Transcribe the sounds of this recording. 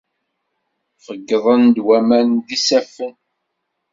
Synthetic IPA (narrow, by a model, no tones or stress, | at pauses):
fəɡːəðˤənd̪wæmænd̪isæfən